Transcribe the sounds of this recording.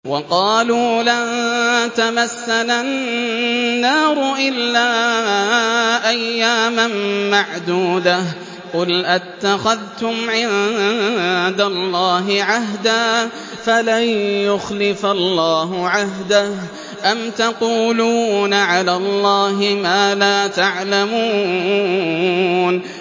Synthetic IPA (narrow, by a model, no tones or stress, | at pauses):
wɑqɑːluːla | t̪amasːalannːɑːɾˤʊʔɪlːaː | ʔajːaːmanmaʕd̪uːd̪a | qʊlʔat̪ːaxaðt̪ʊmʕɪ | d̪alːɑːɦɪʕaɦd̪aː | falajʊxlɪfalːɑːɦʊʕaɦd̪ah | ʔamt̪ɑquːluːnaʕalaːlˤːɑːɦɪmaːlaːt̪aʕlamuː | n